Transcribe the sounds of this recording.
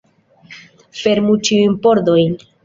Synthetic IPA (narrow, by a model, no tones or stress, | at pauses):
fe̞ɾmut͡ʃiujnpo̞ɾdo̞jn